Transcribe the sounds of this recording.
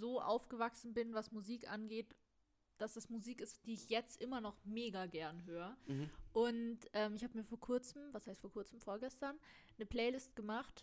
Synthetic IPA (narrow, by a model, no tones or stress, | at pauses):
zoːʔa̰ʊfɡ̥əvaksn̩bɪnvasmuziːkʔa̰nɡeːt | d̥asɛsmuziːkɪstd̥iːɪçjɛt͡stʔɪmɐnɔχmeːɡaɡɛɐnɦøːʁəʔʊntʔɛːmɪçhaːbəmiːɐfoːɐkʰʊɐt͡sm̩vashaɪstfoːɐkʊɐt͡sm̩foːɐɡɛstɐnː | əpl̥ɛːlɪst̚ɡ̥əmaχt